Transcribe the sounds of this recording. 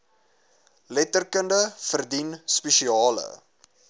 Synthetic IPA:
lɛtərkəndəfərdinspeʃiɑːlə̰

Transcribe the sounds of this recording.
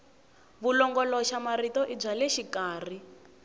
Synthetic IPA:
βulɔŋɡɔlɔʃamaritɔʔib͡ʐalɛʃikaːr̤i

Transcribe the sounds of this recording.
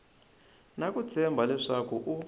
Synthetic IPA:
nakut͡sʰɛmbʱalɛʂakuʔu

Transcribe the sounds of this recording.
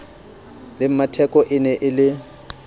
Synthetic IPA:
lɪm̩matʰɛkʼɔʔɪnɛʔɪlɪ

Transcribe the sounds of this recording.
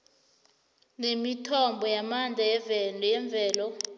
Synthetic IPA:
nemitʰɔmbʱɔjamand͡ɮʱajɛvɛnʱjɛɱb̪vʱɛːlɔ

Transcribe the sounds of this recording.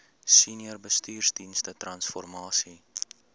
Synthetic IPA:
siniərbəstyːrzdinstətrɐnsfɔrmɑːsi

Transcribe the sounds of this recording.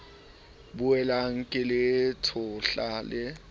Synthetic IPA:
bʊɛlaŋ̩kʼɪlɪtʰʊɬaːlɪ

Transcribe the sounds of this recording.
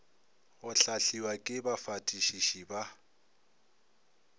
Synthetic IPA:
ɣʊɬaɬiwakʼɪbafatʼiʃiʃiba

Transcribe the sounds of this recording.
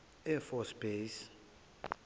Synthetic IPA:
ɛfɔsb̥es

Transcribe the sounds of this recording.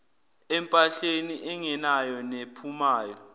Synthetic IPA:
ɛmpʼaɬeniʔɛŋɛnajɔnepʰumaːjɔ

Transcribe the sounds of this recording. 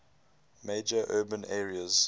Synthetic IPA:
meɪd͡ʒəʔɜːbə̃nɛːɹiəz̥

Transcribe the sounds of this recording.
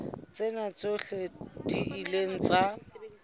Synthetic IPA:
t͡senat͡soɬediileŋ̩t͡sa

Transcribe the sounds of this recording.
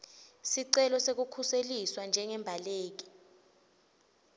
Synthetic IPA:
siǀɛlɔsek̬ukʰuseliswand͡ʒʱɛŋɛmbʱaleːk̬i̥

